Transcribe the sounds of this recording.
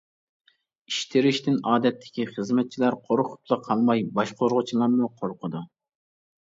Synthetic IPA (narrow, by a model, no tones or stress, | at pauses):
iʃt̪ʰɪɾɪʃt̪ɪnɑːd̪ɛt̪ʰːɪ̥kʲiχəzmɛt̪̚t͡ʃʰilæɾqʰoɾχʰʊ̥p̪̚lˠɑqʰɑlˠmɑjbɑʃqʰoɾʁʊt͡ʃʰilˠɑɾmuqʰoɾqʰʊd̪u